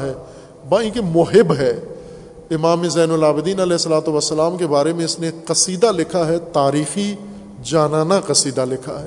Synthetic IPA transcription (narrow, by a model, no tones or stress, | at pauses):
ɦɛː | baːĩkemʊɦɪbɦɛː | ɪmaːmezɛːnʊlaːbɪd̪iːnɐlɛːɪsːɐlaːt̪oʋɐsːəlaːmkebaːɾemẽɪsneqɐsiːd̪alɪkʰaɦɛt̪aːɾiːxi | d͡ʒaːnaːnaqɐsiːd̪alɪkʰa̰ɦɛː